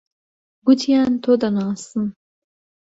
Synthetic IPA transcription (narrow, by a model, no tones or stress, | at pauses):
ɡʷʊtʰijaːnt̪ʰod̪anaːsɨn